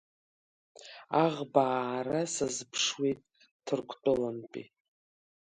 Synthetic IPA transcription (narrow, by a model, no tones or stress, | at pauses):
aʁbaːɾasazpʰʂwejtʼ | tʰɨrkʷʰʼt͡pʷʼʊlanpʼḭ